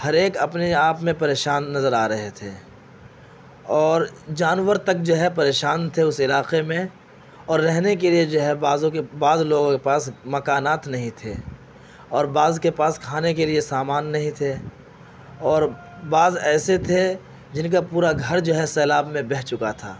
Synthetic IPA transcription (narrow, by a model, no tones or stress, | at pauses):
hɐɾeːkɐpneaːpmẽpɐɾeːʃaːnːɐzəɾaːɾɐɦet̪ʰeː | ɔːɾd͡ʒaːnwəɾt̪ɐk̚d͡ʒoɦɛp̬ɐɾeːʃaːnt̪ʰeʊsɪlaːqemẽ | ɔːɾːɛɦnekelied͡ʒoɦɛaːzõkebaːzloːɡõkepaːsmɐkaːnaːt̪nɐɦĩt̪ʰe | ɔːɾbaːzkepaːskʰaːnekeliesaːmaːnːɐɦĩt̪ʰe | ɔːɾ | baːzɛːset̪ʰe | d͡ʒɪnk̬apuːɾaɡʱɐɾd͡ʒoɦɛsɛːlaːbmẽbɛɦt͡ʃʊkat̪ʰa̰ː